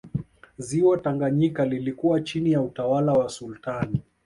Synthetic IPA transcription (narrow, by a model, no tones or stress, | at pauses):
ziwɔtaŋɡaɲikalilikuwat͡ʃinijautawalawasultani